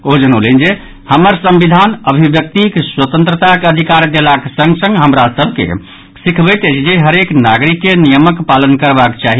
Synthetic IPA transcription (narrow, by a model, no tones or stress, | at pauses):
od͡ʒənolind͡ʒe | həməɾsə̃mbid̪ʱanəbʱibjək̚t̪ikswət̪ə̃nt̪ɾət̪akeəd̪ʱikaɾd̪elaksə̃ŋɡsə̃ŋɡɦəmɾasəbʱkḛ | sikʰbəjt̪ət͡ʃʰd͡ʒeɦəɾeknaɡɾikːenijəməkpalənkəɾbakt͡ʃaɦi